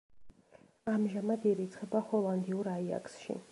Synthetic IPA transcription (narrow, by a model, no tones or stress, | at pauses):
amʒamad̪iɾit̪sʰχɛbahɔlˠand̪iuɾaia̰ksʃḭ